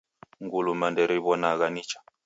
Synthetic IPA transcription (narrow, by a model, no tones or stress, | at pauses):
ŋɡulumandɛɾiβɔnaɣanit͡ʃʰḁ